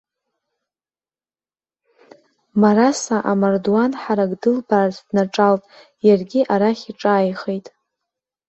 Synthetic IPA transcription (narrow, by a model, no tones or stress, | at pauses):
maɾasaʔamardwanħaɾaɡʼdɨlbaːrzʰdnaʈ͡ʂʼalpʼ | jarɡʲiʔaɾaχʲiʈ͡ʂʼaːjχejtʼ